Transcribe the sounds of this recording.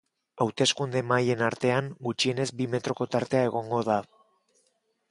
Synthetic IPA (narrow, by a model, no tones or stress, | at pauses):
awt̪e̞skund̪e̞maje̞naɾt̪e̞aŋɡut͡ʃie̞ne̞zbime̞t̪ɾo̞ko̞t̪aɾt̪e̞ae̞ɣo̞ŋɡo̞ð̞a